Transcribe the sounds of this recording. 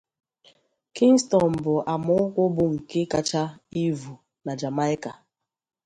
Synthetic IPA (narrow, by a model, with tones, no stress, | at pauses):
ki˦ŋ˦stɔ˨m̩˨bʊ˨ʔa˨mʊ˨ŋ̩˦kʷʊ˦bʊ˦ŋ̩˨ke˦ka˨t͡ʃa˦i˦vu˨ | na˨d͡ʒa˨ma˦ɪ˦ka˨